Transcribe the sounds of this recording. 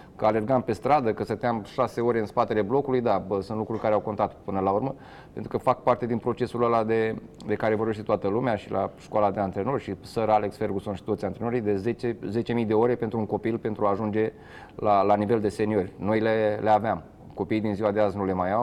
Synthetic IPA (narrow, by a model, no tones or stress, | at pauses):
kəale̞rɡampe̞st̪ɾad̪əkəsət̪eamʃase̞o̞ɾʲeɨnspat̪e̞le̞blo̞kulujd̪aəsunt̪lukɾurʲkaɾeawko̞nt̪at̪pɨnəlaurmə | pe̞nt̪ɾukəfak̚part̪e̞d̪inpɾo̞t͡ʃe̞suləlad̪e̞d̪e̞kaɾe̞vo̞rbeʃt̪et̪oat̪əlumeaʃilʔaʃkwalad̪eant̪eɾeno̞rʲʃisəɾale̞ksfe̞rɡuso̞nʃi̥t̪ot̪sijant̪ɾeno̞ɾijd̪e̞zet͡ʃeze̞t͡ʃe̞mijd̪e̞o̞ɾe̞pe̞nt̪ɾuŋko̞pilpe̞nt̪ɾuaːʒund͡ʒe̞ | lalanive̞ld̪e̞se̞niorʲno̞jleleaveam | ko̞pijd̪inziwad̪eaznule̞majaw